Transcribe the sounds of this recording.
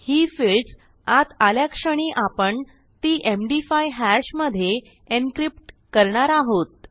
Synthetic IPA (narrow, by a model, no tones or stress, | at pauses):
hiːfils | at̪aljakʂəɽ̃iːʔapəɳ | t̪iːʔemɖifajɦæɕməd̪ʱːje | enkɾip̚ʈkəɾɳaɾaɦot̪̚